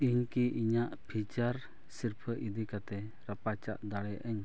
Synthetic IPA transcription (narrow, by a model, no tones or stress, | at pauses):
iɲkiʔiɲaʔpʰit͡ʃaɾ | siɾpʰəʔid̪ikat̪ɛ | ɾapat͡ʃa̰ʔd̪aɽɛjaʔəɲ